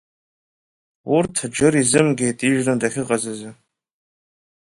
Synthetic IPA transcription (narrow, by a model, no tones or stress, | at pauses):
urtʰd͡ʒɨɾizɨmɡʲejtʼiʒrɨndaχʲɪqʼazɨzɨ